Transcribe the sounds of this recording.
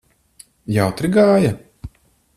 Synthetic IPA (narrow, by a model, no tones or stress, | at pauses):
jawt̪ɾiɡaːja